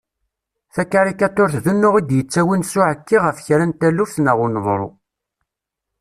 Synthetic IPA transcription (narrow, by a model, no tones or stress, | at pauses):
θækːaɾikːæt̪ːʊɾθðənːʊʁid̪jət͡sːæwinsʊʕəkːiʁəfçɾænt̪ælufθnəʁʊnðˤɾˤo̰